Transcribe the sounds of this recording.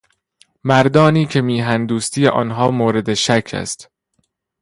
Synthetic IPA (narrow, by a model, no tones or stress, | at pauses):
mæɾd̪ɒːniːcʰe̞miːɦænd̪uːst̪ʰiːjḛʔɒ̰ːnɦɒːmoːɾe̞d̪eʃækʰæ̰st̪